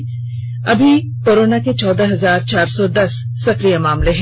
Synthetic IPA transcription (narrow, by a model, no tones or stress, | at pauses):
ɐbʱi | koːɾoːnaket͡ʃɔːd̪aɦɐzaːɾt͡ʃaːɾsɔd̪ɐsː | ɐxɾijamaːmleɦɛ̃